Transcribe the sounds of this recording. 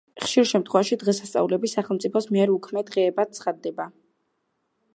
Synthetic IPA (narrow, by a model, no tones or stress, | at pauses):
χʃiɾʃɛmt̪ʰχwɛvaʃid̪ʁɛsast̪sʼa̰ulɛbisːaχɛlˠmtsʼipʰɔsmiɛɾukʰmɛd̪ʁɛːbat̪̚sʰχad̪ːɛba